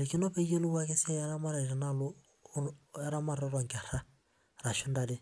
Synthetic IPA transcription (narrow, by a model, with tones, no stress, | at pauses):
ɾi˨ki˦nɔ˦pe˦je˦lu˦wa˦kɛ˦si˦a˦a˦ɾa˦ma˦ɾa˨i˨ɾa˨na˦lʊ˦ | a˦ɾa˦ma˨ɾɔ˦ɾa˨ŋka˨ɾ̥a˦ | ɾa˨ʃu˦nda˨ɾe˦